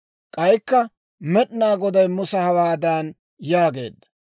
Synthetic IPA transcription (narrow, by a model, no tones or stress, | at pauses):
kʼɐjkːɐ | mɛɗnaːɡɔd̪ɐjmʊsɐhɐwaːd̪aːn | jaːɡe̞̰ːd̪ːɐ̥